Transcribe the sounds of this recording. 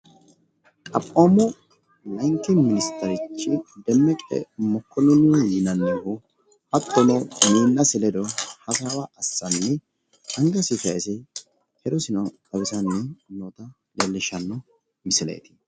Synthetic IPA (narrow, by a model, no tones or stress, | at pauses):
kʼɐpʼːoːmɔ | lɐŋkɪnmɪnɪst̪ɐɾɪt͡ʃːɪd̪ɛmːɛkʼɛ̰mɔkːɔnɔnɪwɔjɪnɐnːehʊ | hɐt̪ːɔnɔmiːnːɐsɪlɛd̪ɔhɐsawɐʔɐsːɐnːɛ | ɐŋɡɐsɪfɐsɛ | hɛɾɔsɪnɐkʼɐbɪsɐnːɛnoːt̪ɐ | leːlːɪʃɐnːɔ | mɪsɪlḛjt̪ɪ̥